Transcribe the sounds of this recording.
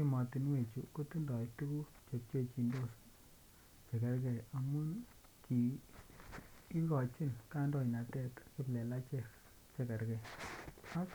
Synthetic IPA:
ki˦mɔ˨ti˨nwe˨t͡ʃṵ˨ko˦tu˦ndɔ˨tu˦ku˦ | t͡ʃe˨k̚t͡ʃe˦t͡ʃi˨ndo˦s | t͡ʃe˨ka˨ɾkɛ˨ja˨mu˦n | ki˨˦ | kɔ˨t͡ʃi˦nka˦ndɔ˦˨i˨na˨tɛ˦tki˦plɛ˨la˦t͡ʃɛ˦˨k | t͡ʃe˨ka˨ɾkɛ˨ | a˦

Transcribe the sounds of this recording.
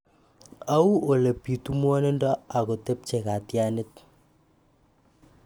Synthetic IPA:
a˦u˦o˨le˨pi˨tu˦mwɔ˦ne˦ndɔ˦a˨ɣo˨te˦p̚t͡ʃe˨ka˨tja˦nɪ˦t̚

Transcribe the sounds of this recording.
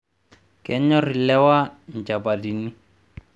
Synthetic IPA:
kɛ˦ɲɔ˦ri˨lɛ˦wa˦ɲ˨d͡ʒa˨ba˨di˨ni˦

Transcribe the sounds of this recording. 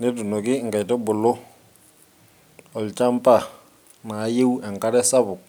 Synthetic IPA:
nɪ˦tu˨nɔ˨kɪ˦ŋɡa˨jtɔ˦bʊ˨lʊ˦ | ɔ˨lt͡ʃa˦mpa˦˨ | na˨˦je˦wɛ˨ŋka˦ɾɛ˦sa˦βʊ˨k̚

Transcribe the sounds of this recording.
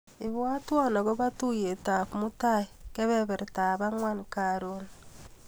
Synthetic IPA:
ɪ˨βwa˦twɔ˦na˨ɡo˦ba˦tu˦je˨ta˨kmu˦ta˦jkɛ˦βɛ˦bɛ˨ɾtaː˨ba˦ŋwa˦nkaɾon

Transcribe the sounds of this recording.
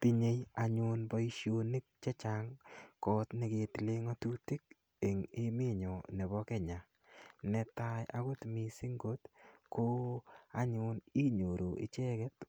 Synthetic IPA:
ti˦ɲe˨ja˨ɲʊ˧nbɔ˦i˦ʃjo˦ni˦k̚t͡ʃɛ˦t͡ʃaŋkɔ˦tne˨ɡe˨ti˨le˦ŋɔ˦tu˦ti˦k̚ | e˨ŋɪ˦mɪ˦ɲɔ˨nɛ˨bɔ˦kɛ˦ɲa˨ | nɛ˨ta˦ja˦ɡʊ˦tmi˨si˦ŋɡo˦tko˦a˦ɲʊ˨ni˦ɲo˨ɾo˨ɪ̰˨t͡ʃɛ˦ɡɛ˦t

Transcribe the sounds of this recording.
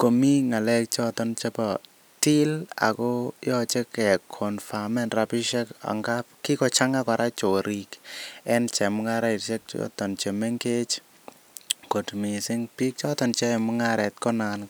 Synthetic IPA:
ko˨mi˦ŋa˨lɛ˦k̚t͡ʃɔ˦t̪ɔ˦nt͡ʃe˦pɔ˨ | ti˦la̰˨kɔ˦jɔt͡ʃe˦kɛ˨kʰɔ˨nfa˨mɛ˦nɾa˨pi˦ʃɛ˦ka̰˨ŋɡap̚ki˦kɔ˨t͡ʃa˦ŋa˦kɔ˨ɾʔa˦t͡ʃo˨ɾʔi˨kɛ˦nt͡ʃɛ˨mʊ˦ŋa˦ɾa˦ɪ˨ɾt͡ʃɛ˦k̚t͡ʃɔ̰˦tɔ˨nt͡ʃe˨me˦ŋke˦t͡ʃ | ko˨tmi˨sɪ˦ŋpi˦k̚t͡ʃɔ˦t̪ɔ˨nt͡ʃɛ˦˨mʊ˦ŋa˦ɾɛ˨t̚kɔ˦nan

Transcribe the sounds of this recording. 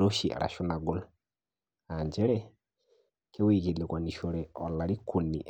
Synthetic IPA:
ɾo˦ʃi˨a̰˨ɾʔa̰˨ʃʊ˦na˨ɡo˦l | a˨ɲd͡ʒɛ˦ɾɛ˦ | kʰɛ˦wi˨ke˨le˨kwa˨ni˨ʃo˨ɾɛ˨ɔ̰˨la˨ɾi˦kʰu˨nḭ˨ʔ

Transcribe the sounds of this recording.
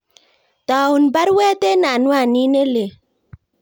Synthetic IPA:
ta˨u˨nba˦ɾwɛ˦te˦na˨nwa˦˨ni˦ne˦le˨

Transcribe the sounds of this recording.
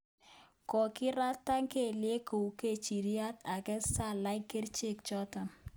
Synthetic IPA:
kɔ˨kɪ˦ɾa˦tːa˦ŋke˦˨lje˦ko˨wke˦t͡ʃi˨ɾi˦a˦ta˨kɛ˦sa˦˨la˦ɪ˦kːe˦ɾt͡ʃe˦˨kt͡ʃɔ˦ta˨m

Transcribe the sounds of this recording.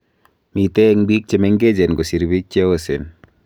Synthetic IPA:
mit̪e˦ŋbi˦k̚t͡ʃemeŋɡe˦d͡ʒe˨nɡo˨si˨ɾbi˦k̚t͡ʃewosen

